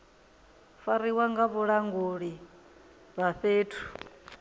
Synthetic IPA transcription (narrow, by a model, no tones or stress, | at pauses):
faɾiwaŋɡaβuɺaŋɡuɺi | βaɸeːtʰu̥